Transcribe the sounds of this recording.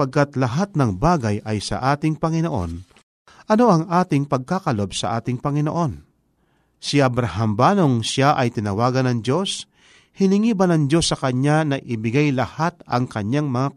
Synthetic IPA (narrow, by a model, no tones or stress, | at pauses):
pɐɡ̚kat̪lɐɦat̪̚nɐŋbaːɡɐjʔɐjsɐ̰ʔaːt̪ɪŋpɐŋɪnoʔo̞̰n | ʔɐno̞ʔɐŋʔaːt̪ɪŋpɐɡ̚kakɐlo̞bsɐ̰ʔaːt̪ɪŋpɐŋɪno̰ʔo̞n | sɪʔɐbɾaɦambaːno̞ŋsaʔɐjt̪ɪnɐwaːɡɐnɐŋd͡ʒo̞s | hɪnɪŋiːbɐnɐŋd͡ʒo̞sːɐkɐɲːanɐʔɪbɪɡajlɐhat̪̚ɐ̰ŋkɐɲaŋmɐŋa